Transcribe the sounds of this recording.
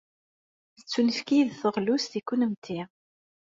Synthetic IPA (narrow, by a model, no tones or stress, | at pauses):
θət͡sːunəfkiðθəʁlust̪ikːunəmt̪ʰːi